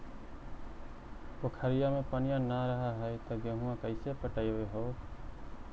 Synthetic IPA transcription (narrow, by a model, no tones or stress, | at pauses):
pokʰəɾɪjamẽpənɪjãnaɾəɦaɦəjt̪əɡeɦũãkəɪsepəʈəjʋeɦoː